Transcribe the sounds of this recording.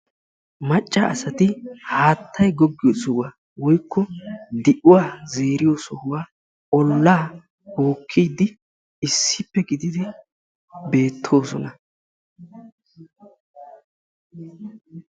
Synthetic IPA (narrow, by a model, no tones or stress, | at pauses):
mɐt͡ʃʼːɐɐ̰sɐt̪ɪhaːt̪ʰːɐjɡɔɡːɪjɔsɔwa | wɔjkːɔd̪ɪʔʊwaːze̞ːɾɪjoːsɔhʊwaː | ɔlːaː | boːkʰːijd̪ːɪ | ɪsːɪpːɛɡɪd̪ɪd̪ɪ | be̞ːt̪ʰːo̞ːsɔnɐ